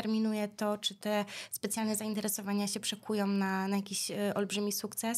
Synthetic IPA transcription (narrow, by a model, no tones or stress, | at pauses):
ɛɾmʲinujɛt̪ɔt͡ʂɘt̪ɛspɛt̪sʲjalnɛzaint̪ɛɾɛsɔvaɲaɕɛpʂɛkʰujɔ̃w̃nanajakʲiɕʔɔlbʐɘmʲisukt̪sɛs